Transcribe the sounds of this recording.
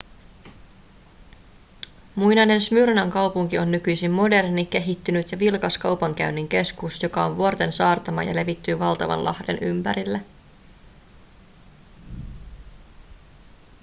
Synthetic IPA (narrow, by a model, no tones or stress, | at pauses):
mujnɑne̞nsmyrnɑŋkɑwpuŋkio̞nːykyjsimːo̞de̞rnik̟e̞ɦit̪ːynyt̪jɑʋilkɑskɑwpɑŋk̟æɥnːiŋk̟e̞skusjo̞kɑo̞nʋuo̞rt̪e̞nsɑːrt̪ɑmɑ̰jɑ̰le̞ʋit̪ːyːʋɑlt̪ɑʋɑ̰nlʔɑ̰hde̞̰nʔympæɾilːæ